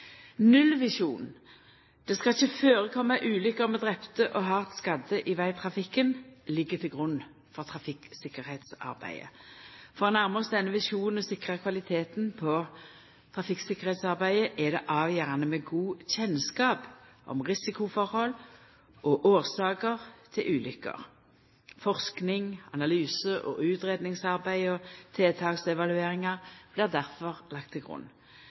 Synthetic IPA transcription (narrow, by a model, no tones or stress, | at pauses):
nʉlːʋɪʂuːn | d̪̥ɛskɑɪçəføːʁəkʰɔmːɑʔʉːlʏkəʁmɛd̪ʁɛpt̪əʔɔɦɑːt̪skɑd̪əʔɪʋæɪt̪ʰʁɑfɪkːənlɪɡːəʁt̪ʰɪlɡʁʉnː | fɔʁt̪ʰʁɑfɪksɪkəʁheːt̪sɑ̰ʁbæ̰ɪə̰fɔʁnæʁməsd̪ɛnːəʋɪʂuːnn̩ɔsɪkʁəkʰʋɑlɪt̪ʰeːt̪npʰɔ | t̪ʰʁɑfɪksɪkːəʁhɛːt̪sɑʁbæɪəʔɛd̪ɛʔɑːʋjæʁɑnəmɛɡuːçɛnskɑːpʔɔ̰mʁɪsɪkʊfɔʁhɔl | ʔɔʔoːʁsɑːkəʁt̪ʰɪlʔʉːlʏkːə̰ʁ | fɔʁsknɪŋɑ̰nɑlyːsəʔɔ̰ʔʉːt̪ɾeːd̪nɪŋsɑʁbæɪɔt̪ʰeːt̪ʰɑːksɛʋɑlʉeːʁɪŋɑʁb̥lɪʁd̪æʁfɔʁlɑk̚t̪ʰːɪlɡʁʊ̰nː